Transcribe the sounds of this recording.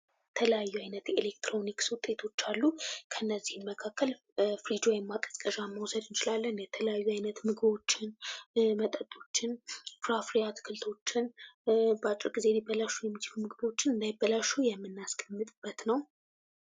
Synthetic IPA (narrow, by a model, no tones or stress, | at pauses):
t̪ʰələjajːuajnət̪elekt̪ɾo̞nikswʊt̪ʼːe̞t̪ʰo̞t͡ʃːalːukʰəɨnːəzːihɨnməkʰakːəl | fɾid͡ʒojɛmːat̪ʼəsʼkʼəʒamːəwsəd̪ɨnt͡ʃɪlalːənjɛt̪ʰələjajːuajnət̪mɨɡɨβo̞t͡ʃːɪnmət̪ʼət̪ʼo̞t͡ʃːɪnfɾafɾijat̪kʰɨlt̪ʰo̞t͡ʃːɪn | bat͡ʃʼɪɾɡize̞libːəlaʃːujɛmːit͡ʃʰɪ̥fumɨɡɨbo̞t͡ʃːɪnɨnd̪ajbːəlaʃːujɛmːɨnːaskʼəmːɨt̪ʼɨb̥ːət̪nəw